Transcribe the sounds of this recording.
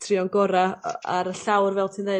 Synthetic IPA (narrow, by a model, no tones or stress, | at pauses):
tʰrɪɔnɡɔɾaaɾəɬawrvɛlˠtʰiːnːe